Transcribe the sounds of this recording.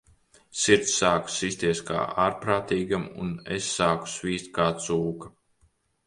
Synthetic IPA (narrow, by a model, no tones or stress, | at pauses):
siɾt̪ssːaːku̥sisʲt̪iɛska̰ːʔaːɾpɾaːt̪iːɡamṵnesːaːku̥sviːst̪̚kaːt̪suːka